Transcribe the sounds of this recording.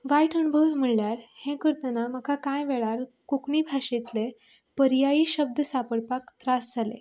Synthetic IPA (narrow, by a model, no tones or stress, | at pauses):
ʋaiʈənubʱəʋm̤əɭljaɾhẽkəɾt̪ənaməkakajʋeɭaɾ | kukɳiːbʱaʂet̪le | pəɾjajiːɕəb̚d̪əsapəɽpakt̪ɾasd͡zʱalḛ